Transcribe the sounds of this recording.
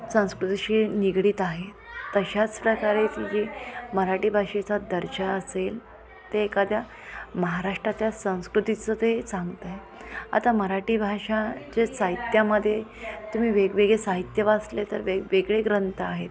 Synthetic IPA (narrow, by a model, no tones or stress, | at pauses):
sə̃w̃skɾut̪iɕiːniɡɽiːt̪aɦe | t̪əɕat͡spɾəkaɾet̪id͡ʑiːməɾaʈiːbʱaʂet͡sad̪əɾɕaəsel | t̪eːkad̪ʱja | məɦaɾaʂʈɾat̪jasə̃w̃skɾut̪it͡sət̪esãŋɡt̪ə | a̰t̪aməɾaʈiːbʱaʂat͡ɕesaɦit̪jaməd̪ʱːjet̪um̤iːʋeɡʋeɡesaɦit̪jəʋaslet̪əɾʋeɡʋeɡɭeɡɾənt̪ʰəaɦet̪